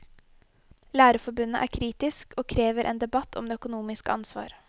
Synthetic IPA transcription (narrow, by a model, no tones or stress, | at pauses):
læːɾəfɔbʉnːəʔæ̰ːɾkʰɾiːt̪ɪskoːkʰɾeːʋəɾʔḛːnd̪ɛbɑt̪ʰɔ̰md̪eːœkʊnuːmɪskəɑnsʋɑ̰ːɾ